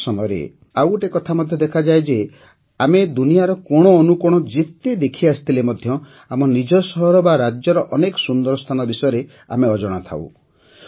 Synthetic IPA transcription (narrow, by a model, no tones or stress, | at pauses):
sɔmɔjɾḛ | awʈekɔt̪ʰamɔd̪ʱjɔd̪ekʰad͡ʒajd͡ʒe | amed̪unijaɾɔkɔɽ̃ɔːnukuɽ̃ɔd͡ʒet̪ed̪ekʰiast̪ʰilemɔd̪ʱjɔ | amɔnid͡ʒɔsɔɦɔɾɔbaɾad͡ʒjɔɾɔʔɔnekɔsund̪ɔɾɔst̪ʰanɔbisɔjɔɾe | a̰meɔd͡ʒɔɽ̃at̪ʰa̰w̰